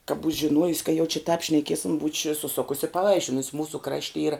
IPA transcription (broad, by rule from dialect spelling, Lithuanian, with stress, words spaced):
kɐ buːt͡ʃʲ ʒʲɪˈnuɔjʊs kɐ jɛʊ t͡ʃʲɪ tɑːp ʃnɐˈkʲiɛsʲɪm bʊt͡ʃʲ sʊˈsʊkʊs ɪ pɐˈʋɐɪʃʲɪnʊs ˈmuːsʊ ˈkrɑːʃʲtʲɪ ˈiːrɐ